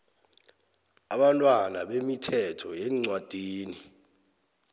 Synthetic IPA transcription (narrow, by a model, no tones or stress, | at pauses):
aɓantʼwanaɓemitʰɛtʰɔjeŋ͡ǀwad̥ʱiːni